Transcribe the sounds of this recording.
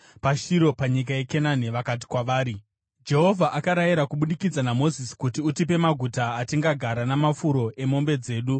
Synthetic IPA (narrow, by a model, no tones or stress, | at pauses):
paʃiɾo̞paɲik̬aje̞ke̞naneʋakat̬i̥kwaʋaːɾi | d͡ʒe̞ɦo̞vʱaʔakaɾajiɾakuɓuɗikid͡zanamo̞zisi̥kut̬iutip̬e̞maɡʱutaːtiŋɡaɡʱaɾanamafuɾo̞e̞mo̞mbe̞d͡ze̞ːɗu